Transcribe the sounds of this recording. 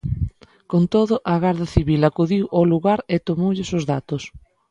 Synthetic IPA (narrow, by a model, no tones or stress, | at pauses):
kont̪oðʊʔɐɣaɾðɐθiβilakuðiwʔoluɣaɾɪt̪omowʎɪsʊzðat̪ʊs